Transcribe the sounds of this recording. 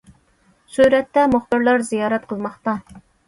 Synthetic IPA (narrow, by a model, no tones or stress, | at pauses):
syɾɛt̪ːɛmoχb̪ɨɾlˠɑɾzijɑːɾɛt̪̚qʰəlˠmɑχt̪ɑ